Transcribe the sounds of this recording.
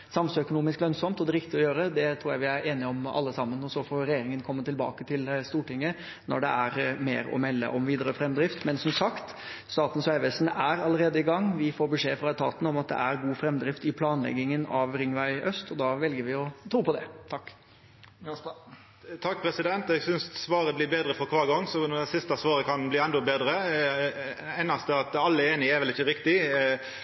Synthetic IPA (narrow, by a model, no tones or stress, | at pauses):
sɑmsœkʊnuːmɪsklœnsɔmt̪ɔd̪ɛɾɪk̚t̪ɪɔjøːɾəd̪ɛt̪ʰɾuːjæɪʋɪæɾeːnɪəɔmɑ̰lːəsɑmːənɔsɔfoːɾɛjeːɾɪŋənkʰɔmːət̪ɪlbɑ̰ːkət̪ʰɪlst̪uːʈɪŋːə | nɔ̰ɖɛ̰æɾmeːɾɔ̰mɛlːə̰ʔɔ̰mʋiːd̪əɾəfɾɛmːd̪ɾɪft̪mɛnsɔmsɑkt̪ | st̪ɑːt̪n̩sʋæɪʋɛsn̩æɾɑləɾeːd̪əɪɡɑŋːʋɪfoːɾbəʂeːfɾɑɛt̪ʰɑ̰ːt̪n̩ɔmɑt̪̚d̪ɛ̰æɾɡuːfɾɛmd̪ɾɪft̪ɪpʰlɑːnlɛ̰ɡɪŋənɑʋɾɪŋʋæɪœst̪ɔd̪ɑːʋɛlɡəɾʋɪɔt̪ʰɾuːpɔd̪ɛ̰t̪ʰɑkː | t̪ʰɑk̚ːpʰɾɛsɪd̪ɛnt̪ɛɡsʏnssʋɑːɾəblɪːɾbeːd̪ɾəfɔɾkʰʋɑːɾɡɔŋːsɔnɛsɪst̪ɑsʋɑːɾəkʰɑnbliːɛnd̪ɔbeːd̪ɾə | æɪnɑst̪əɑt̪ɑlːəeːnɪɛɾʋɛlɪçəɾɪkt̪ɪ